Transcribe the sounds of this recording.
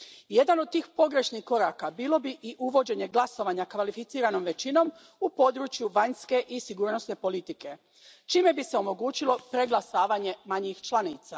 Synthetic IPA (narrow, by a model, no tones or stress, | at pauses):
je̞d̪anod̪̚t̪iːxpo̞ɡɾe̞ʃnixko̞ɾaːkabiːlo̞biʔiʔuʋo̞d͡ʑe̞ɲe̞ɡlˠaso̞ʋaɲakʋalifit̪siːɾano̞mʋe̞t͡ɕino̞m | upo̞d̪ɾuːt͡ʃjuʋaɲske̞ʔisiɡuːɾno̞sne̞po̞lit̪ike̞ | t͡ʃiːme̞biseo̞mo̞ɡuːt͡ɕilo̞pɾeɡlasaːʋaɲe̞maɲixt͡ʃlˠaniːt̪sa